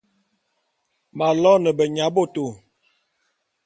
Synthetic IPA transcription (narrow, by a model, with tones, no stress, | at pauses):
ma˨lɔ˦nə˨bə˨ɲa˨˦bo˦˨to˨